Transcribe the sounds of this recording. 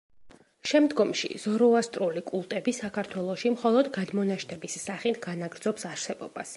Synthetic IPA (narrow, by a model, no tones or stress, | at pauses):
ʃɛmd̪ɡɔmʃḭz̥ɔɾɔast̪ʼɾulikʼulˠt̪ʼɛbisakʰaɾt̪ʰwɛlˠɔʃimχɔlˠɔd̪ɡad̪mɔnaʃt̪ʰɛbisːaχit̪ʰɡanaɡɾd̪zɔpsaɾsɛbɔ̰b̥as